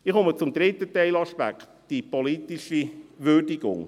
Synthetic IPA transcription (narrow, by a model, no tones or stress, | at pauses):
ɪχomət͡sʊmd̪ɾɪt̪ətɛɪlɑʃpæ̰kt̪d̥ipɔlit̪iʃiʋøɾdiɡʊ̰ŋ